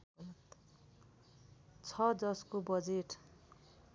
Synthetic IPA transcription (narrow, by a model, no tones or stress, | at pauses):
t | t͡sʰʌd͡zʌskobʌd͡zeʈ